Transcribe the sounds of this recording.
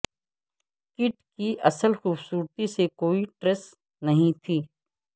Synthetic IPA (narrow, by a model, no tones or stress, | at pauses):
kɪʈkiʔɐsəlxuːbsuːɾt̪isekoːiʈɾes | nɐɦĩt̪ʰiː